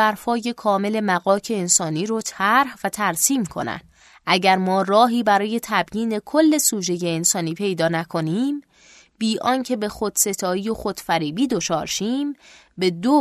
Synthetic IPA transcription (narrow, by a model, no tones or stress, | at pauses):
æɾfɒːje̞kʰɒːme̞le̞mæɣɒːcʰe̞ːnsɒːniːɾot̪ʰæɾhvæt̪ʰæɾsiːmkʰo̞̰næ̰nd̥̪ | ʔæɟæɾmɒːrɒːɦiːbæɾɒːje̞t̪ʰæbjiːne̞kʰolːe̞suːd͡ʒe̞jeːnsɒːniːpʰe̞jd̪ɒːnækʰo̞niːm | biːʔɒːncʰe̞be̞xod̪̥se̞t̪ʰɒːijoxod̪̥fæɾiːbiːd̪o̞t͡ʃʰɒːɾʃiːmbe̞d̪o